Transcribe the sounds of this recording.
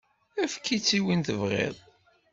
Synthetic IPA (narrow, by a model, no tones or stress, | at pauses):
æfkːit͡sːiwinθəvʁɪ̰ðˤ